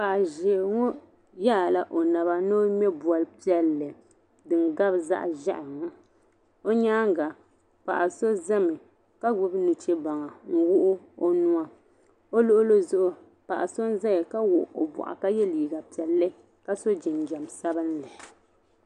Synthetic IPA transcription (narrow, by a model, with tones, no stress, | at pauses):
pa˨ʔa˨ʒe˨ŋɔ˦ | ja˦˨la˦ʔo˨na˨βa˦no˦mɛ˦bwa˨lpi˦ɛ˦lːɨ˨ | dɨ˨ŋɡa˦bza̰˦ʔʒa̰˦ʔa˨ŋa˦ | o˦ɲaː˦ŋ˦ɡa˨ | pa̰˨ʔa˨so˦za˦mɨ˨ | ka˦ɡ͡bʊ˦bnu˨t͡ʃe˦ba˨ŋa˨ŋ̩˦wʊ˦ʔʊ˦ | o˦nu˦a˦ | o˦lʊ˦ʔʊ˦lo˦zʊ˦ʔʊ˦ | pa˨ʔa˨so˦n˦za˦jɛ˨ka˦wʊ˨ʔo˨bɔ̰˨ʔa̰˨ka˦jɛ˦liː˨ɡa˨pi˨ɛ˨lːɨ˦ | ka˦so˦d͡ʒɪ˨nɡɛ˨m˨sa˦bɨ˦nlɨ˨